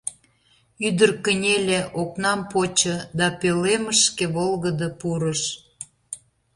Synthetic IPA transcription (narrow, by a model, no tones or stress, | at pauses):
yd̪ərkənʲelʲeʔoknɑmpot͡ɕəd̪ɑpøleməʃkeβolɣəd̪əpuɾəʃ